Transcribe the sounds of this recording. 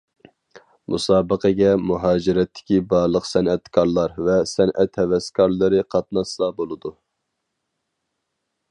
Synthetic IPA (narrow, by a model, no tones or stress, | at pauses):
mʔṵsɑːbəqʰɛɡʲɛmuɦɑːd͡ʒiɾɛt̪ʰːɪ̥kʲibɑlˠəqsɛnɛt̪kʰɑɾlˠɑɾvɛsɛnʔɛt̪hɛvɛskʰɑɾlˠɨɾɨqʰɑt̪nɑsˠɑbolˠɨd̪u